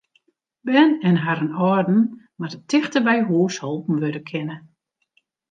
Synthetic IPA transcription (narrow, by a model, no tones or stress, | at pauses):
bɛnɛnɦaɾənɔrdn̩ | mardətʰɪxtəbɛjɦuːshɔlˠpn̩ʋødəkʰɪnə